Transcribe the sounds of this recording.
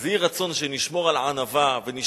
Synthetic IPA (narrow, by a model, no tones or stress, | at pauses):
zejiʁat͡so̞nʃeniʃmo̞ʁalʕanavaveniʃ